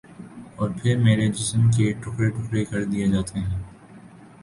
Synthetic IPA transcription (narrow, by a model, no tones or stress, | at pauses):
ɔːɾpʰɪɾmeːɾed͡ʒɪsəmk̬eʈʊkɾeʈʊkɾekɐɾd̪ijed͡ʒaːt̪eɦɛ̃ː